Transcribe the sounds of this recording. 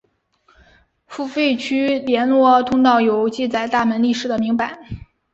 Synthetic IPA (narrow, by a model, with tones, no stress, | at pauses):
fu˥˩fe˥˧ɪt͡ɕʰy˥ljɛ˧˥nlwɔ˥t̪ʰʊ˥ŋt̪ɑ˥˩ʊjo˧˥ʊt͡ɕi˥˧t͡sa˨˩ɪt̪a˥˩mə˧˥nli˥˩ʂɻ̩˨˩d̪ə˦mi˧˥ŋpa˨˩˦ɪ